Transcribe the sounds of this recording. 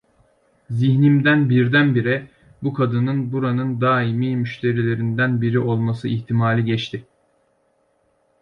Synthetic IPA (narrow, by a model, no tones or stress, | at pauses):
ziçnimd̪ænbiɾd̪ænbiɾɛ | bukʰad̪ɯnɯnbuɾanɯnd̪aːimiːmyʃt̪ʰe̞ɾilʲe̞ɾind̪ænbiɾiʔo̞lˠmasɯiçt̪ʰimaːlʲiɟɛt͡ʃt̪ʰɪ